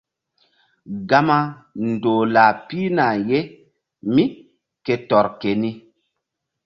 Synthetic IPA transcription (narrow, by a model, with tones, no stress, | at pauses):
ɡa˦ma˦ | n˨doː˨la˨piː˦na˨je˦ | mi˦ | ke˨tɔ˨ɾke˨ni˦